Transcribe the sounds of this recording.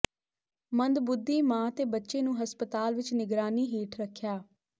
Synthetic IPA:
mənd̪bʊd̪ːiːmãːt̪eːbətːʃeːnũːɦəspət̪aːlʋɪt͡ʃnɪɡɾaːniːɦeːʈʰɾəkʰːjaː

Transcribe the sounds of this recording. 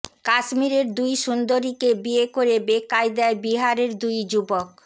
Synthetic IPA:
kaʃmiɾeɾd̪ujʃund̪oɾikebiekoɾebekajd̪ɛebiɦaɾeɾd̪ujd͡ʑubok̚

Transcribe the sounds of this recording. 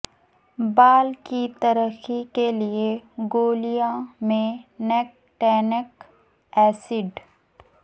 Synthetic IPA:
baːlkit̪əɾəxikelieɡoːlijãmẽnɛk̚ʈɛːnək | ɛːsɪɖ

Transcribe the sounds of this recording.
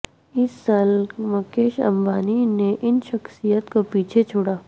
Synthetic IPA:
ɪsːaːlmɐkeːʃɐ̰̃mbaːnineʔɪnʃɐxsijət̪kopiːt͡ʃʰet͡ʃʰʊɽaː

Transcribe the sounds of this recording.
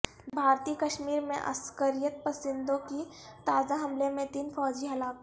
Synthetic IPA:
bʱaːɾt̪iːkɐʃmiːɾmḛ̃ʔɐ̰skəɾijət̪̚pɐsɪ̃nd̪õki | t̪aːzaɦɐmlemẽt̪iːnfɔːd͡ʒiɦɐlaːk

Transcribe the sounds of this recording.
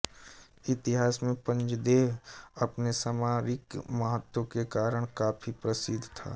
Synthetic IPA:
ɪt̪ɪɦaːsmẽpə̃ɲt͡ʃd̪eːɦɐpnesaːmaːɾɪkməɦət̪ːwokekaːɾəɽ̃kaːpʰipɾəsɪd̪ʱt̪ʰa̰ː

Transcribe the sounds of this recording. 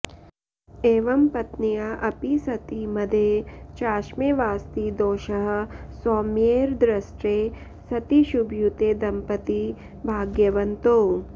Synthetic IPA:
eːʋɐmpɐt̪nijaʔɐpisɐt̪imɐd̪ʱet͡ʃaːʃmeʋaːst̪id̪oːʃɐɦɐ̆soːmeːɾd̪ɾɐsʈɾeː | sɐt̪iʃubʱjut̪eːd̪ɐmpɐt̪i | bʱaːɡjɐʋɐnt̪oː

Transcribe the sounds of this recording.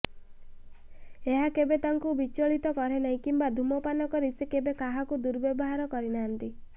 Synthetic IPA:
eɦakebet̪aŋkubit͡ʃɔɭit̪ɔkɔɾenaɦĩkimbad̪ʱumɔpanɔkɔɾisekebekaɦakud̪uɾbɔbɔɦaɾɔkɔɾinaɦant̪i

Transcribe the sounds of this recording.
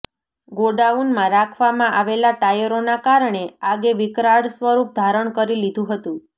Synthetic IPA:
ɡoɖaunmãɾakʰʋamãʔaʋelaʈajəɾonakaɾɳeaɡeʋikɾaɽsʋəɾup̚d̪ʱaɾəɳkəɾilid̪ʱũɦət̪ũ

